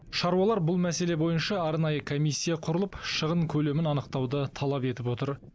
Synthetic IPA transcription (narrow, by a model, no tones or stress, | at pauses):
ʃɑɾuwɑlˠɑɾbʊlˠmæse̞le̞bo̞jənʃɑɑɾnɑjəkʰomijsʲːijɑqʰʊɾəlˠəpʃəʁəɴkʲʰɵle̞mɪnɑnəq̚t̪ɑwd̪ət̪ʰɑlˠɑpe̞t̪ɪpwo̞t̪əɾ